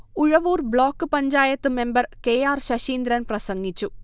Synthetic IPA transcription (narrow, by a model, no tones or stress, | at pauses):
uɻɐʋuːrbɭoːkːɨpɐɲd͡ʑaːjɐt̪ːɨme̞mbɐrkeːjaːrɕɐɕiːnd̪ɾɐnprɐsɐŋːit͡ɕːu